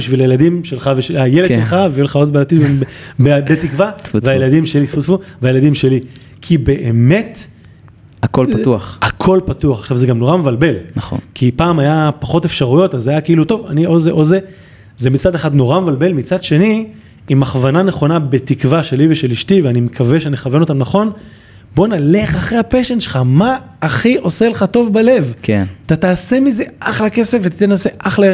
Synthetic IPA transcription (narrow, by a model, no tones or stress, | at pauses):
biʃvilajeladimʃelχaveʃeajeledʃelχaveulχaod̚bet̪id̪vebbetikvaveajeladimʃelifotfuveajeladimʃe̞li | kʰibe̞ʔeme̞t | akolpauaχakʰo̞lpatuaχḁχʃavzeɡamno̞ʁamevalbe̞lnaχo̰kipaːmajapaχo̞te̞fʃaʁujo̞tazajakeiluto̞vanio̞zeʔo̞ze | zemit͡sad̪eχad̪no̞ʁamevalbe̞lmit͡sad̪ʃe̞ni | imaχvananeχo̞nabet̪ikvaʃeliveʃe̞liʃtiveanimekʰave̞ʃeneχave̞no̞t̪amnaχo̞n | bo̞nale̞χaχʁeapeʃenʃelχamaː | χiʔo̞seleχato̞vbale̞vkʰent̪at̪aːse̞mize̞ʔaχlake̞sefvett̪enase̞ʔaχle